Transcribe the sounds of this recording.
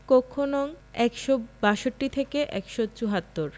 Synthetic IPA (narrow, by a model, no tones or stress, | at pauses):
kokʰːonɔŋ | ɛkʃobaʃoʈːit̪ʰekeʔɛkʃot͡ɕuɦat̪ːoɾ